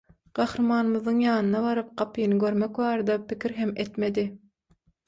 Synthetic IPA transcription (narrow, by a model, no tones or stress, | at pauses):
ɢ̥ɑhɾɯmɑːnɯmɯðɯŋjɑːnɯnɑβɑɾɯp̚qɑpʰɯnɯɡøɾmekvɑːɾɑd̪ɑpikʰʲiɾɦemet̪me̞d̪i